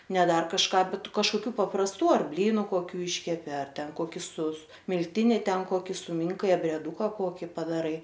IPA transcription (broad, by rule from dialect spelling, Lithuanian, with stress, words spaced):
nʲɛ ˈdɐr kɐʃˈkɑː ˈbʲɛt kɐʃkoːˈkʲuː pɐprɐsˈtuː ˈɐr ˈbʲlʲiːnʊ koːˈkʲuː ˈiːʃʲkʲɛpʲɪ mʲɪlʲˈtʲɪnʲɪ ˈtʲɛn ˈkoːkʲɪ sʊˈmʲɪŋkɐɪ ɐbʲrʲiɛˈduːkɐ ˈkoːkʲɪ pɐdɐˈrɐɪ